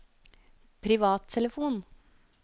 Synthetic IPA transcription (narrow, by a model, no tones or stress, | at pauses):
pʰɾɪʋɑːt̪ʰːɛləfuːn